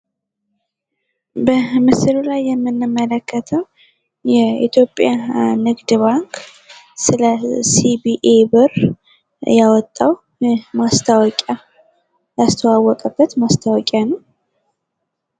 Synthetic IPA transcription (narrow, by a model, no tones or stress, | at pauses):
bəmɨsɨlulajːɛmːɨnːɨmːələkʰːət̪ʰəw | jɛḭt̪ʰjo̞pʼːjanɨɡd̪βaŋk | sɨləsibiʔebɨr | jawɔt̪ʼːaw | jɛmast̪ʰawɔkʼja | jast̪ʰəwawːɔkʼəbːət̪mast̪ʰawɔkʼjanəw